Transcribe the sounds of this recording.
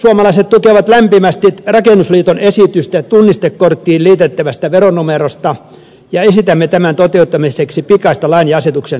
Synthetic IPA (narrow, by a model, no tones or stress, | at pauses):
suɑmɑlɑiset̪t̪ukeʋɑt̪læmpimæst̪irɑkenːusliːt̪onesit̪yst̪æt̪unːist̪ekkort̪ːiːlliːt̪et̪ːæʋæst̪æʋeronumerost̪ɑ | jɑesit̪æmːet̪æmænt̪ot̪eut̪ːɑmiseksipikɑist̪ɑlɑinjiɑset̪uksen